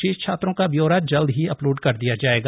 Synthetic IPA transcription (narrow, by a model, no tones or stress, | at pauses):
eːʃt͡ʃʰaːt̪ɾõkabjoːɾaːd͡ʒɐld̪ɦiɐploːɖkɐɾd̪ijad͡ʒaːeːɡa